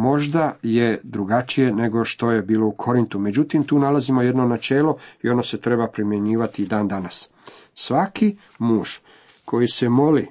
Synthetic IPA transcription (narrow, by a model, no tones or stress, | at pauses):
mo̞ʒd̪aje̞d̪ɾuɡat͡ʃije̞ne̞ɡo̞ʃt̪o̞je̞biːlo̞ukʰo̞ɾint̪ume̞d͡ʑut̪imt̪uːnalazimo̞je̞d̪no̞nat͡ʃe̞ːlo̞io̞no̞se̞t̪ɾe̞bapɾimje̞ɲiːʋat̪id̪aːnd̪anas | sʋakʰi | muːʒ̥ | kʰo̞jisemo̞li